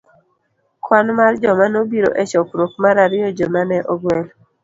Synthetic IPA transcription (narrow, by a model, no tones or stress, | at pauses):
kwanmard͡ʒɔmanobiɾo̰ʔɛt͡ʃɔkɾok̚maɾaɾɪjɔd͡ʒomanɛʔɔɡwɛl